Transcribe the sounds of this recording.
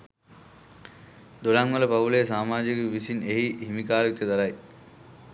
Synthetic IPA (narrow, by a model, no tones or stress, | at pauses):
d̪oɭaːŋːɐlɐpɐʋuleːsaːmaːd͡ʒikɐʋisineɦiɦimikaːɾɐk̚t̪jɐd̪ɐɾaj